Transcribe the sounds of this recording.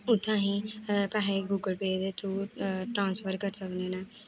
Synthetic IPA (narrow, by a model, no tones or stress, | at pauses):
ʊt̪ʰːãːɦĩːpɛːɦeɡuːɡəlpeːd̪et̪ʰɾuːʈɾãːnsfʰəɾkəɾsəkneːnãː